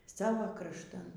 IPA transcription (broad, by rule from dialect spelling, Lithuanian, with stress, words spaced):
ˈsɑːʋoː krɐʃˈtɐn